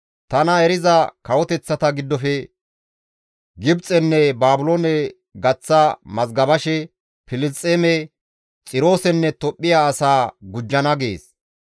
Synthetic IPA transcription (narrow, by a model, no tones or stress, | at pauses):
t̪ɐnɐɛɾɪzɐkɐwɔt̪ɛt͡sːɐt̪ɐɡɪd̪ːɔfɛ | ɡɪbt͡sʼɛnːɛbaːbʊloːnɛ | ɡɐt͡sːɐmɐzɡɐbɐʃɛ | pɪlɪt͡sʼːeːmɛ | t͡sʼɪɾo̞ːsɛnːɛt̪ɔpʼːɪjaːsaːɡʊd͡ʒːɐnɐɡḛːs